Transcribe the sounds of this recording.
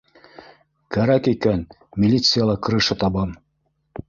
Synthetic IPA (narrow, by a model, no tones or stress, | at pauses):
kæɾækikæn | mʲilʲit̪sɨjɑlˠɑkɤ̆ɾɤ̆ʃɤt̪ɑbɑm